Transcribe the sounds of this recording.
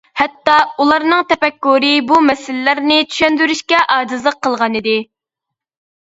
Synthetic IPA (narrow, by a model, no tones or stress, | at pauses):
hɛt̪ːɑulˠɑɾnɨŋt̪ʰɛpɛkːuɾɨbumɛsɪlɪːæɾnɪt͡ʃ̪ʰy̥ʃɛnd̪yɾyʃkʲɛʔɑːd͡ʒ̪ɨzlˠəqʰːəlˠʁɑnɨd̪ɪ